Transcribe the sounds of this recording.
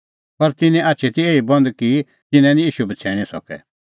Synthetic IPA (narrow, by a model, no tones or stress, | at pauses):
pɐɾt̪ɪnɛ̃ʔaːtːt͡ʃʰet̪ieːibɔ̃nd̪ki | t̪ɪnɛ̃nĩjiːʃubɐt͡sʰɛːɽ̃ĩsɔ̰kɛ̰